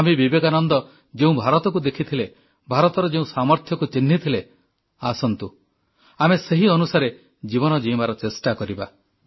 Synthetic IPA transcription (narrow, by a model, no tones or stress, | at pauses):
amebibekanɔnd̪ɔ | d͡ʒeũbʱaɾɔt̪ɔkud̪ekʰit̪ʰile | bʱaɾɔt̪ɔɾɔd͡ʒeũsamɔɾt̪ʰjɔkut͡ʃinːit̪ʰile | asɔnt̪u | ameseɦiɔnusaɾe | d͡ʒiβɔnɔd͡ʒiimaɾɔt͡ʃesʈakɔɾiba